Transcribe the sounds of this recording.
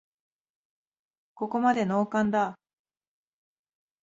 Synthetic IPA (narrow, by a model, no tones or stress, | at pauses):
ko̞ko̞mad̪e̞no̞ːkãnd̪a